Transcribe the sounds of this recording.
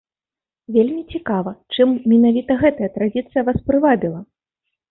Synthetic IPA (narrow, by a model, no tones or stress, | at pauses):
vʲelʲmʲit͡sʲikavɐt͡ʂɨmːʲinavʲit̪ɐɣɛt̪ɐjɐt̪ɾad͡zʲit̪sɨjɐvaspɾɨvabʲilˠɐ